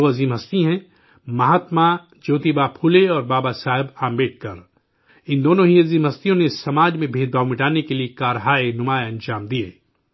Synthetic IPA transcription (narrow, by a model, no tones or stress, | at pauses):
oɐziːmɦɐst̪iɦɛ̃ | mɐɦaːt̪ma | d͡ʒoːt̪ibaːpʰuːleɔːɾbaːbasaːɦɪbaːmbeːʈ̚ʰkɐɾ | ɪ̃nd̪oːnõɦiɐziːmɦɐst̪ijõnesɐmaːd͡ʒmẽbʱeːd̪̚baːʋmɪʈaːnekeliekaːɾɦaːenʊmaːeɐ̃nd͡ʒaːmd̪iḛː